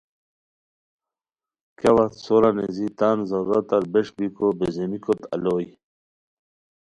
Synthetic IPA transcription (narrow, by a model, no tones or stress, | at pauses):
kawat̪soɾanezit̪aːnzɐɾat̪ɐɾbeʂbikobezemikot̪ɐ̰loːj